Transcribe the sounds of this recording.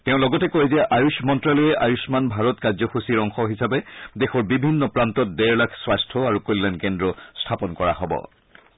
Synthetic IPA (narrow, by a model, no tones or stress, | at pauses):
teʊ̃lɔɡɔtɛkozɛʔajusmɔntɹalɔjɛʔajusmanbʱaɹɔtkazɔxusiɹɔŋxɔɦisabɛdexɔɹbibʱinːɔpɹantɔt̚dɛɹlakʰswastʰɔaɹukollankendɹɔstʰapɔnkɔɹa̰ɦɔbɔ̰